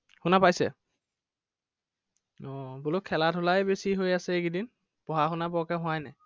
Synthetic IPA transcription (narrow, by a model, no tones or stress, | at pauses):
xunapajsɛ̰ | ɔ̃bulokʰːɛlatʰʊlajbesiɦojasɛekidin | pɔɦaxʊnabɔkɛɦʊ̃ajnɛ